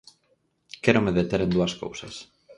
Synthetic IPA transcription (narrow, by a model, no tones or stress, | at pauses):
kɛɾomeðet̪eɾend̪uɐsko̰wsɐ̰s